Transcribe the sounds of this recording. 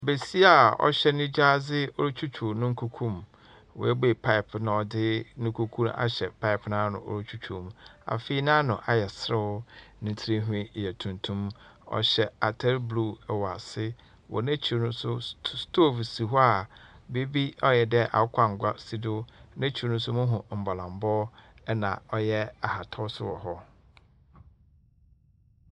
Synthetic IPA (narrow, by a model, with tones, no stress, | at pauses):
be˨si˦a˦˨ɔ̰˦ɕɛ˦nĩ˦d͡ʑa˦zɪ˦o˦ɾo˦t͡ɕʰᶣu˦t͡ʃʰu˨nʊ̃˦ŋ̩˦kʰu˦kʰũ˦˨m | wɔ̰˨e˦be˨pʰa˦ɪ˨pnã˨ɔ˨dɪ˦nʊ̃˦kʰu˦kʰũ˦na̰˨ɕɛ˨pʰa˦ɪ˨pnãː˦nʊ̰̃˨ʔo̰˦ɾo˦t͡ɕʰu˦t͡ɕʰu˨m̃˨a̰˨fe˦i˦nã˦nʊ̃˨ʔa˨jɛ˨sɾɪ˦ʊ˦nɪ̃˨˦tʰɾe˦ɦũ˦ĩ˦˨ɛ˨tʰũ˨ntʰũ˦mɔ̰˨ɕɛ˨a˨tʰɛ˦lblu˦˨ɛ˨wa˨sɪ˦ | wʔɔ̰˨næ̃˦t͡ɕʰi˨o˨nʊ̃˦sʊ˦stʰo˦˨fi˨si˨ɦɔ˦a˨be˦bi˦ɔ˦jɛ˨dɛ˦ʔa̰˨˦kʷʰa˦ŋ̩˨ɡʷa˦si˦dʊ˦næ̃˦t͡ɕʰi˨ɾo˨nʊ̃˦sʊ˦mʊ̃˦ɦʊ̃˨m̩˨ba˨lã˨m˨˦bɔː˦ɛ˦nã̰˨ɔ˦jɛ˦a˨ha˨tʰɔ˦sʊ̰˦wɔ̰˨ɦɔ˦